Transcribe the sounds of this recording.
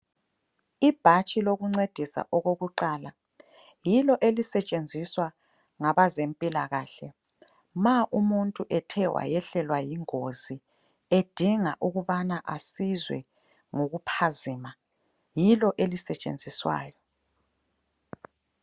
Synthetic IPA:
ib̥ʱat͡ʃʼiloɣuŋ͡ǀed̥ʱisa̰ʔɔɣoɣuǃaːla | jilɔʔelisɛt͡ʃʼend͡zʱiswa | ŋaβazempʼilaɣaːɬɛ | maʔumuntʼuʔɛtʰɛwa̰jɛɬɛlwajiŋozi | ed̥ʱiŋaʔuɣuβanaʔasizwɛ̰ | ŋoɣupʰaziːma | jilɔʔelisɛt͡ʃʼḛnd͡zʱiswa̰ːjɔ

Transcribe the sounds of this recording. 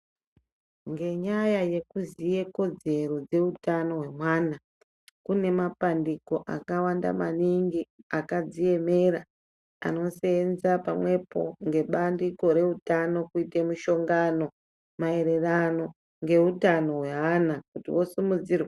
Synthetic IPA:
ŋɡe̞ɲajaje̞kuzije̞ko̞d͡ze̞ɾo̞d͡ze̞utano̞ɦwe̞mwaːna | kune̞mapandiko̞ʔa̰kawanda̰maniŋɡiakad͡zije̞me̞ra | a̰no̞seːnzapamwe̞po̞̰ŋɡe̞ɓandiko̞ɾe̞utano̞kuitemuʃo̞ŋɡano̞ | mae̞ɾe̞rano̞ | ŋɡe̞utano̞ɦwe̞ɦanakutḭwo̞sumud͡zirwa

